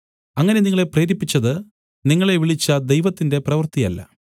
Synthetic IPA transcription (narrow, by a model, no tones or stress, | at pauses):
ɐŋːɐne̞niŋːɐɭe̞preːɾipːit͡ɕːɐðɨ | niŋːɐɭe̞ʋiɭit͡ɕːɐd̪ejʋɐt̪ːinde̞prɐʋɨrt̪ijɐ̰lːɐ̰